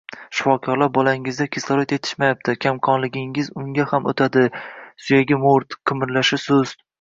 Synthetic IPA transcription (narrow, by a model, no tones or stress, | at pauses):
ʃɪ̥fɒkʲʰɒɾlaɾbɒlaŋɪzd̪akʲʰeslɒɾat̪e̞t̪ʰɪ̥ʃmajap̚t̪ʰɪkʲʰamqʰɒnlɪɡʲɪŋɪzʊŋɡʲahamʔo̰t̪ʰad̪ɪsʊjaɡʲɪmoɾt̪qʰɨmɪɾlaʃɪsɵz̥